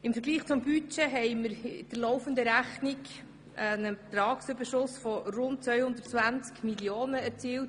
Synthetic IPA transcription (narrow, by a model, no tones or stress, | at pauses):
ɪmfəɾɡliːχt͡sʊmbyt͡ʃɛɦɛɪməɾɪd̥əɾlɔwfənd̪əɾæχnik | ənəbet̪ɾɑːksʏbəʃʊsfɔɾʊnt̚t͡sʋœʏhʊnd̪ət͡svænt͡skmiljoːnəɛɾt͡siːlt